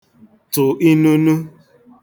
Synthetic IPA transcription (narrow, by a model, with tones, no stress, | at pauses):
tʊ˨ʔi˦nu˦nu˦